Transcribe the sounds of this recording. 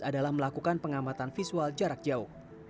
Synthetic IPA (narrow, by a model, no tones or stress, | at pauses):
adalahməlakukanpəŋamat̪anfisuald͡ʒaɾak̚d͡ʒaʊh